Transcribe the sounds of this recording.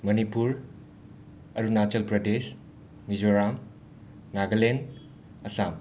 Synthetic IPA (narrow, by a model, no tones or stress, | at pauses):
mɐnipuɾ | ɐɾunat͡ʃelpɾɐdes | mizoɾam | ŋaɡɐlen | ɐsam